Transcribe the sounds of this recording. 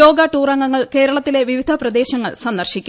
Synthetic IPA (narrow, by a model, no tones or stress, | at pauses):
o̞ːɡɐʈuːrɐŋːɐŋːɐɭke̞ːɾɐɭɐt̪ːile̞ʋiʋid̪ʱɐprɐd̪e̞ːɕɐŋːɐ̰ɭsɐnd̪ɐrɕikʲː